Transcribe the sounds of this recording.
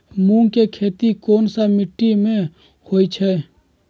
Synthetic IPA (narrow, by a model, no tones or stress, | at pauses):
mũːŋkekʰeːt̪ikoːnsamɪʈːimẽ | hoːit͡ʃʰɛː